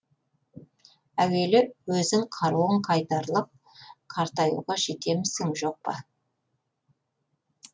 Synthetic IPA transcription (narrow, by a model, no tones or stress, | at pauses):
æwe̞lɪwɵzɪŋqʰɑɾuwəɴqʰɑjt̪ɑɾlˠəp̚ | qʰɑɾt̪ɑjṵʁɑʒe̞t̪e̞mɪsɪŋʒo̞q̚pɑ̰